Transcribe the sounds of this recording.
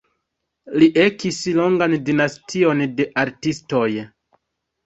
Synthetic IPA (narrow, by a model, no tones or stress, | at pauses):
liʔe̞kislo̞ŋɡandinastʰio̞nde̞ʔaɾtisto̞j